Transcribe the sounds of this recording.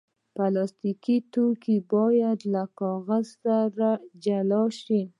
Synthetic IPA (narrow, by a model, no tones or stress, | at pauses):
palɑst̪ikit̪okibɑjad̪lakɑɣazsaɾad͡ʒalɑʃi